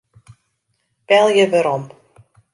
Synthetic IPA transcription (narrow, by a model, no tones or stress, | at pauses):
pɛlˠjəvəɾɔm